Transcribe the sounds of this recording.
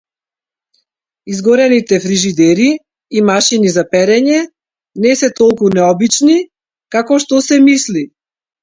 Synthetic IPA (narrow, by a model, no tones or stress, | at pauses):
izɡɔɾɛnit̪ɛfɾiʒid̪ɛɾiː | maʃinizapɛɾɛɲɛ | nɛsɛt̪ɔlˠkunɛɔbit͡ʃni | kakɔʃt̪ɔsɛmisli